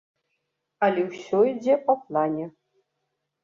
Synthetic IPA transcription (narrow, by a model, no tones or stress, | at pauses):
alʲewsʲɔid͡zʲepɐplˠanʲe